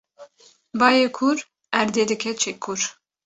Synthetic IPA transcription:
bɑːjekʰʊɾ | æɾd̪eːd̪ɨkʰɛt͡ʃʰekʰːʊɾ

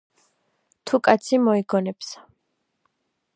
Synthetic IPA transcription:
t̪ʰukʼat̪sʰimɔiɡɔnɛps

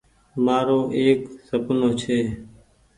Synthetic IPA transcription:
maːɾoːʔeːksəpnoːt͡ʃʰeː

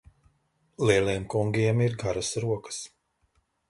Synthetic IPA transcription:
lˠiɛlˠiɛmkuŋɡʲiɛmiɾɡaɾasɾuɔkə̥s

